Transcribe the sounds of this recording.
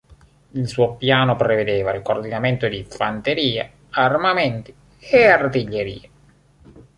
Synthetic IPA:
ilsuːopjaːnopɾeved̪eːvalkord̪inament̪od̪iɱfant̪eɾiːa | armamɛnt̪i̥ | eart̪iʎːeɾḭːa

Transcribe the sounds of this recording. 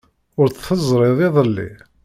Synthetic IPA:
ʊɾt͡sθəzˤɾˤɪðˤɪðˤəlːḭ

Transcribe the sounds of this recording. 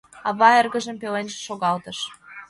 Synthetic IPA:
ɑβɑerɣə̆ʒə̆mpelenʒĕ̥ʃoɣɑlt̪ɤ̆ʃ

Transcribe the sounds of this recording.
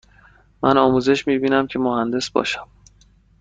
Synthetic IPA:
mænɒːmuːze̞ʃmiːbiːnæmcʰe̞mohænd̪e̞sb̥ɒ̰ːʃæ̥m

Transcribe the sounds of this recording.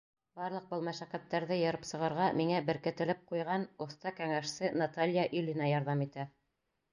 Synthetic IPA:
b̥ɑɾlˠɤq̚bɤ̆lˠmæʃæqæt̪ːæɾðɘjɤ̆ɾɤpsɤ̆ʁɤ̆ɾʁɑmiŋæbɘ̆ɾkɘ̆t̪ɘ̆lɘp̚qujʁɑnŏθt̪ɑkæŋæʃsɘnat̪alʲjaʔylʲinɑjɑɾðɑmit̪æ

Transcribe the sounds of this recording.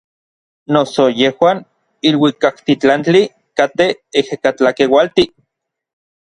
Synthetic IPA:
nosojehwaːn | ilwikakt̪it͡ɬant͡ɬi | kat̪eehekat͡ɬakewalt̪i

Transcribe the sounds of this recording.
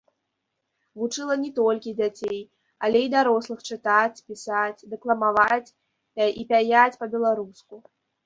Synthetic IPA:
vut͡ʂɨlˠɐnʲɛt̪ɔlʲkʲid͡zʲat͡sʲej | ɐlʲɛid̪aɾɔslˠɨxt͡ʂɨt̪at͡sʲpʲisat͡sʲd̪ɛklˠɐmavat͡sʲ | pʲaipʲajat͡sʲpɐbʲɛlˠaɾusku

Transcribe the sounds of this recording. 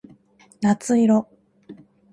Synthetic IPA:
nat͡sɨiɾo

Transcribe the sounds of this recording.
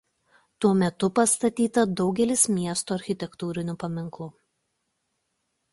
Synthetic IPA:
t̪uɔmʲɛt̪ʊpɐst̪ɐt̪ʲiːt̪ɐd̪ɒʊɡʲɛlʲɪsmʲiɛst̪oɐɾʲxʲɪt̪ʲɛkt̪uːɾʲɪnʲʊpɐmʲɪŋklˠʊ

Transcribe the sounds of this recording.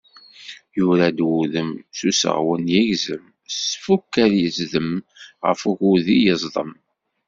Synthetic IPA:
jʊɾad̪wuðəmsusə̰ʁwənjæʝzəm | sfukːæɾjəzðəmʁə̰fuʝuðijəzˤðˤə̰m

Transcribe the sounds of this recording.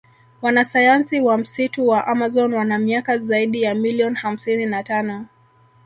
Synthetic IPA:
wanasajansiwam̩situwaʔamazɔnwanamiakazaiɗijamiliɔnham̩sininatanɔ

